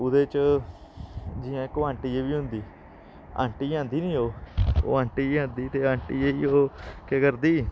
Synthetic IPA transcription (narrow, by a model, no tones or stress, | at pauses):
ʊd̪eːt͡ʃ | d͡ʒɪːãːɪkːoãːɳʈiːeːʋiːɦʊ̃nd̪iː | a̰ːɳʈiːãːnd̪iːnĩːɦoːo̰ːãːɳʈiːãːnd̪iːt̪eːãːɳʈiːeːiːoːkekəɾd̪iː